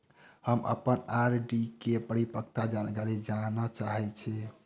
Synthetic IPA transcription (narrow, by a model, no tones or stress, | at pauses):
həmə̰pənaɾɖikepəɾipək̚t̪ad͡ʒankaɾid͡ʒanat͡ʃaɦɛt͡ʃʰɛ